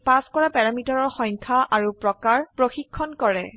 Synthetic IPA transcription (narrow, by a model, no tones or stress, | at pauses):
paskɔɹapɛɹamitɔɹɔɹxɔ̃jŋkʰaʔaɹupɹɔkaɹpɹoxikʰːɔnkɔɹɛ̰